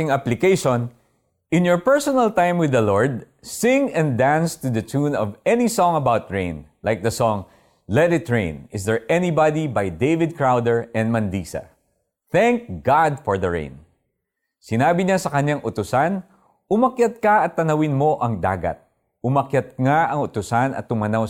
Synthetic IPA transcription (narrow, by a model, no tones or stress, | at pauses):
ɪŋaplɪkejʃon | ʔɪ̃njɔɹpɛɹsɔnɐlt̪ãjmwɪdðɐlɔɹd̪̚ | sɪ̃ŋɛ̃nd̪ãnst̪ud̪ɐt͡ʃunɔvɛnisɔ̃ŋɐbawt̪̚ɹẽɪ̃nlajk̚d̪ɐsɔ̃ŋ | lɛt̪ɪt̪ɹḛ̃ɪ̃nɪsd̪ɛɹʔɛnibad̪ibajd̪ejvɪd̪̚kɹawd̪ɛɹɛ̃n̚mɐnd̪isɐ̰ | θɛ̃ŋk̚ɡɑd̪fɔɹðɐɹḛ̃j̃n | sɪnaːbɪɲasɐkɐɲaŋʔʊt̪ʊsan | ʊmɐkjat̪̚kɐʔɐt̪ːɐnɐwɪnmo̞ʔɐŋd̪a̰ːɡɐ̰t̪̚ | ʊmɐkjɐt̪̚ŋaʔɐŋʊt̪ʊsanɐ̰t̪ːʊmɐnaw